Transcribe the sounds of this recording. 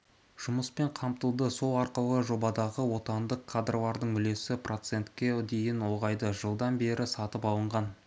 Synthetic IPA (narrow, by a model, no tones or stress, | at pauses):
ʒ̥ʊməspe̞ɴqʰɑmt̪əlˠd̪əso̞lˠɑɾqəlˠəʒo̞bɑd̪ɑʁəwo̞t̪ɑnd̪əqʰːad̪rovɑɾd̪əɴʏle̞sɪprʔo̞t̪se̞nt̪kʲe̞d̪e̞jɪnwo̞ʁɑjd̪əʒəlˠd̪ɑnbe̞ɾɪsɑt̪əpɑlˠəɴʁɑn